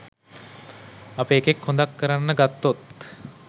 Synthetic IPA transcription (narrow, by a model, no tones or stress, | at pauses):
apəːkekhõnd̪akːəɾanːəɡat̪ːot̪